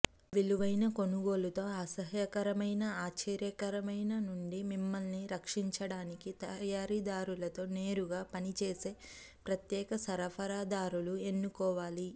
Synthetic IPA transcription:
ʋiluʋɐjnɐko̞nuɡo̞ːlut̪o̞ːaːsɐɦjɐkɐɾɐmɐjnɐaːt͡ʃɛːɾjɐkɐɾɐmɐjnɐnuɳɖimimːɐlniɾɐkʂiɲt͡ʃɐɽaːnikit̪ɐjaːɾid̪aːɾulɐt̪o̞ːneːɾuɡaːpɐnit͡ʃe̞ːse̞ː | pɾɐt̪jɛːkɐsɐɾɐpʰɐɾaːd̪aːɾulue̞nːukɔːʋaːli

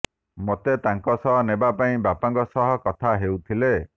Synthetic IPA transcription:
mot̪et̪aŋkɔsɔɦɔnebapaĩbapaŋkɔsɔɦɔkɔt̪ʰaɦewt̪ʰile

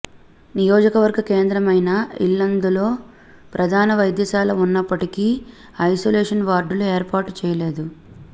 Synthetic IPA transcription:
nijoːd͡ʒɐkɐʋɐɾɡɐkeːnd̪ɾɐmɐjnɐḭlːɐnd̪ulo̞ː | pɾʔɐd̪ʱaːnɐʋɐjd̪jɐsaːlɐunːɐpːɐʈikiː | ɐjsoːleːʂɐnʋaːɾɖulue̞ːɾpaːʈu̥t͡ʃɛːjɐle̞ːd̪u

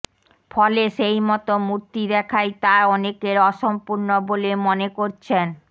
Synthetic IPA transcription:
fɔleʃejmɔt̪omuɾt̪id̪ɛkʰajt̪aɔnekeɾɔʃompuɾnobolemonekoɾt͡ɕʰen

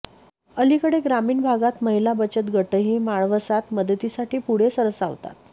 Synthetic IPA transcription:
əlikəɽeɡɾamiːɳbʱaɡat̪məɦilabət͡ɕət̪ɡʱəʈəɦiːmaɭʋəsat̪məd̪ʱət̪isaʈiːpuɽ̤esəɾəsa̰ʋt̪a̰t̪

